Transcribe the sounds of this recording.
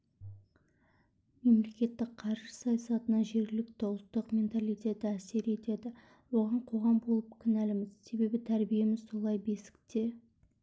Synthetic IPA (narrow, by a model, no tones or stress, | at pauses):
me̞mle̞kʲe̞t̪ːɪk̚qʰɑɾʒə̥sɑjɑsɑt̪ənɑʒe̞ɾɡʲɪlɪk̚t̪ʰowlˠət̪ːəqmʲe̞nt̪alˠijt̪ʲe̞t̪ɪæse̞ɾe̞t̪e̞d̪ɪ | wo̞ʁɑɴqʰo̞ʁɑmbo̞lˠəp̚kʲʰɪnælɪmɪzse̞be̞bɪt̪ʰæɾbije̞mɪzso̞lˠɑjbe̞sɪ̥kt̪e̞